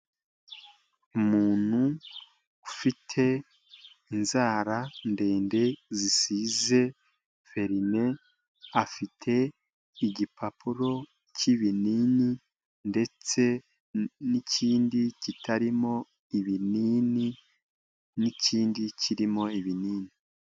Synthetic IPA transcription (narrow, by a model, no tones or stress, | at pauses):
umuːn̥hu | ufitʰe̞ | inzaːɾande̞ːnde̞zisize̞ | fe̞ɾine̞ | afitʰe̞ | iɟipʰapuɾo̞ | ciβiniːni | nde̞t͡se̞ | nicʰiːndicitʰaɾimo̞ | iβiniːni | niciːndicʰiɾimo̞iβiniːni